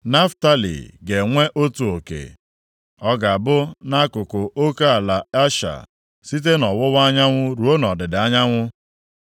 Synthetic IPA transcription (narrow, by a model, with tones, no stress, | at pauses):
na˦fta˦lḭ˨ɡe˨ŋʷe˦ʔo˦tu˨o˨kḛ˨ | ɔ˦ɡa˨a˨bʊ˦na˦kʊ˨kʊ˨o˦ka˦a˨la˨a˦ʃa̰˨ | si˦t̬e˦nɔ˨wʊ˦wa˦ɲa˦ŋʷʊ˦ɾu˨˦o˦nɔ˨dɪ˨dɪ˨˦a˦ɲa˦ŋʷʊ˦